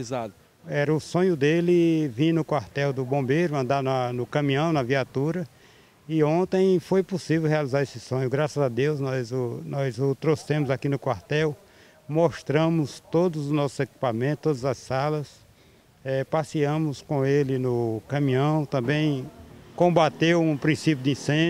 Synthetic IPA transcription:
izad̪ʊ | ɛɾɐʊsõɲʊd̪elɪvĩnʊkwaɾt̪ɛwd̪ʊbõmbejɾʊɐ̃nd̪anɐnʊkɐ̃mĩɐ̃w̃nɐviat̪uɾɐ | ɪõnt̪ẽj̃fojpʊsivewɦealizaɾesɪsõɲʊɡɾasɐzad̪ewznɔjzʊnɔjzʊt̪ɾosẽmʊzakinʊkwaɾt̪ɛw | moʃt̪ɾɐ̃mʊst̪od̪ʊzʊznɔsʊzeki̥pamẽt̪ʊ̥t̪od̪ɐzɐsːalɐs | ɛpasiɐ̃mʊskõelɪnʊkɐ̃mĩɐ̃w̃t̪ɐ̃mbẽj̃kõbat̪ewũpɾĩsip̬jʊd̪ɪĩsẽ

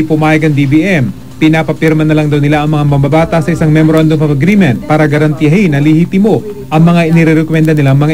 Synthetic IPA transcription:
ipʊmaːjɐɡɐŋd̪ibiʔɛm | pɪnaːpɐpɪɾmɐnɐlaŋd̪ɐwnɪlaʔɐŋmɐŋamɐmbɐbaːt̪ɐsɐʔɪsaŋmɛmoɾʔand̪omɐvɐɡɾiːmɛnt̪̚paːɾɐɡɐɾɐnt̪iɐhinɐlɪhiːt̪ɪmo̞ | ʔɐŋmɐŋaʔɪnɪɾɛɾɛkomɛnd̪ɐnɪlaŋmɐŋa

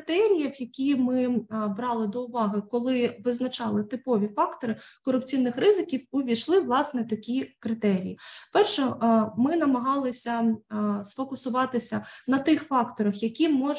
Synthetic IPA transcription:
t̪ɛɾʲijɐwjɐkʲimɪbɾɑlˠɪd̪ɔʊʋɑɦɪkɔlˠɪʋɪznɐt͡ʃɑlˠɪt̪ɪpɔʋʲifɑkt̪ɔɾɪkɔɾʊp̚t͡sʲijnːɪxrɪzɪkʲiwʊʋʲiʃlˠɪʋlˠɑsnɛt̪ɐkʲikɾɪt̪ɛɾʲijipɛrʃɛmɪnɐmɐɦɑlˠɪsʲɐsfɔkʊsʊʋɑt̪ɪsʲɐnɐt̪ɪxfɑkt̪ɔɾɐxjɐkʲimɔ

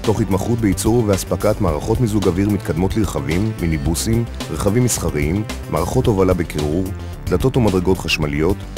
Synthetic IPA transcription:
t̪o̞χhit̪maχut̚beit͡suʁveaspakat̪maːʁaχo̞t̪mizuɡaviʁmit̪kad̪mo̞t̪liʁeχavimːinibusimʁeχavimːisχaʁiimː | a̰ːʁaχo̞to̞valabekʰeʁuʁ | dat̪o̞tumad̪ʁeɡo̞t̪χaʃmalijo̞t

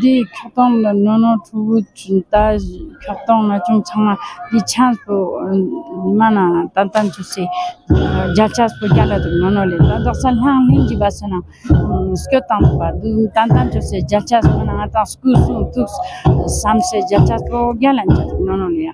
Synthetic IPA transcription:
nd̪ikʰot̪oŋnonoʈ͡ʂʰuwot̪akʰat̪oŋnat͡ɕoŋt͡sʰaŋmad̪it͡ɕʰanspo | manat̪ant̪ant͡ɕose | ɦd͡ʑalt͡ɕʰaspoɡʲalad̪uk̚nonolet̪and̪aχsʰanɬaŋlind͡ʑipasena | skʲot̪aŋd̪upad̪ut̪ant̪ant͡ɕoseɦd͡ʑalt͡ɕʰaspanaŋat̪aŋskusuŋt̪uk̚samseɦd͡ʑalt͡ɕʰaspoɡʲalant͡ɕid̪uk̚nonoleja

